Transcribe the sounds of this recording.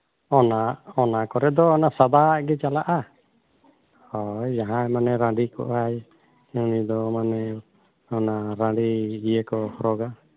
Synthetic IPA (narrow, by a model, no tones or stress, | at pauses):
ɔnaɔnakɔɾɛd̪ɔːnasad̪aʔɡɛt͡ʃalaʔa | hɔjd͡ʒaɦãmanɛɾãɖikɔ̰ʔaj | ũnid̪ɔmanɛ | ɔnaɾãɖiɡijekɔhɔɾɔɡa